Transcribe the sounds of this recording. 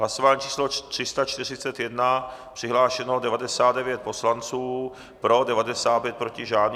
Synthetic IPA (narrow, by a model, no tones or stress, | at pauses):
ɦlasovaːɲiːt͡ʃʰiːslot̪r̥ɪst̪at͡ʃt̪ɪr̝ɪt͡sɛt̪jɛdnapr̥ɪɦlaːʃɛnodɛvadɛsaːt̪̚dɛvjɛt̪̚po̞slant͡suː | pɾo̞dɛvadɛsaːt̪̚pjɛt̪̚pɾocɪʒaːn